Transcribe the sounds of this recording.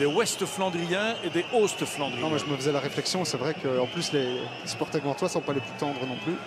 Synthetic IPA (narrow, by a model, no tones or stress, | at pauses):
d̪ewɛst̪flɑ̃d̪ʁijɛ̃ed̪eost̪flɑ̃d̪ĩmaʒəməfəzɛlaʁeflɛksjɔ̃sɛvʁɛkəɑ̃plysle | sy̥pɔʁt̪ɛəvɑ̃t̪wasɔ̃paleplyt̪ɑ̃d̪ʁənɔ̃ply